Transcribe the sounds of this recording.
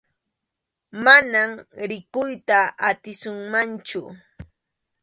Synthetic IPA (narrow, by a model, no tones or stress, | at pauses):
manamɾɪkʊjt̪aat̪ɪsʊŋmant͡ʃʊ